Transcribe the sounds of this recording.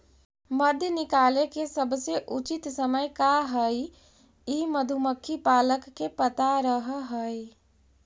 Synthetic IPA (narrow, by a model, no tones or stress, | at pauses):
məd̪ʱjənikalekesəbʱseʔut͡ʃit̪səməjkaɦəj | iməd̪ʱuməkʰːipaləkːepət̪aɾəɦɦəj